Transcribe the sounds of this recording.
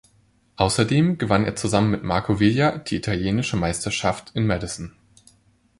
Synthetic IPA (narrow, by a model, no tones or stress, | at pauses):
ʔaʊsɐdeːmɡəvaneːɐt͡suzamənmɪtmaɐkʰovɪljad̥iːitʰaljeːnɪʃəmaɪstɐʃaftʰɪnmɛdɪsn̩